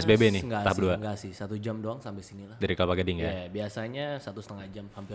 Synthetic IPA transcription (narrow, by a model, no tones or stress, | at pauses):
ɛsbebɛnɪhŋɡaahpduaŋɡasɪhsat̪ud͡ʒamdoaŋsampɛlsinilahdaɾiklapaɡadɪŋjabiasaɲasat̪usə̥t̪əŋahd͡ʒamhampɪr